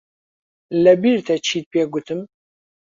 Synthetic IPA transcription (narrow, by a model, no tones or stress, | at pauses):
lɛbiɾt̪ʰɛt͡ʃʰiːt̪̚pʰeːɡʷʊt̪ʰɨm